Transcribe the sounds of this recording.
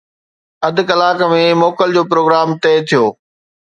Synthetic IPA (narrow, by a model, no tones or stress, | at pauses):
ɐd̪ʱɪkɐlaːkəmẽmɔːkəld͡ʑoːpɾoːɡɾaːmt̪ɛːt̪ʰijoː